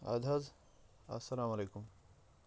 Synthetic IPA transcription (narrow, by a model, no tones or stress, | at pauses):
ɐ̰d̪ʱɐz | ɐ̰sɐlaːmɐlekum